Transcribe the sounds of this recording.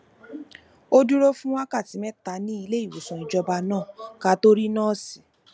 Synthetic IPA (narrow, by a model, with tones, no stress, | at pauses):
o˦du˦ɾo˦fũ˦wa˦ka˦˨ti˨˦mɛ̃˦ta˧nĩ˦i˧le˦i˦˨wo˨sɔ̃˨i˧d͡ʒɔ˧ba˧nãː˦˨ka˧˦to˦ɾi˦nãː˦˨si̥˨